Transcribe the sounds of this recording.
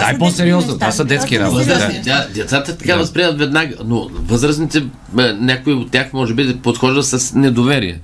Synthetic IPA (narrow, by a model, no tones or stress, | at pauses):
d̪aɛposɛɾiɔznot̪ovasɐd̪ɛt̪skʲinavəzɾəsit̪ʲad̪ɛt̪sat̪ət̪ɐ̥kavɐspɾʲiɛmət̪vɛd̪naɡənovɤzɾəsnit̪ɛ | nʲakʊiot̪ːʲaxmɔʒɛbipot̪xɔʒd̪ɐsɐsnɛd̪ovɛɾijɛ̰